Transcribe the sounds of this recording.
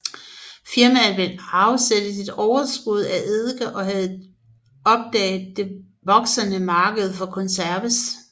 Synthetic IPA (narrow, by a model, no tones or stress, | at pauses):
fiɐmæʋelɑ̈ʊsed̥əsid̥ɒʊɐsɡ̥uð̞̰ˠæʔeðˠɡ̥ɐʔɒ̽ɦæð̞̩ˠ | ɒ̽b̥̚d̥ɛ̰ːɪð̩ˠd̥e̝ | ʋɒ̽ɡ̥sɐnəmɑ̈ːɡ̥əð̞̩ˠfɒ̽kʰɔ̽nsæɐʋəs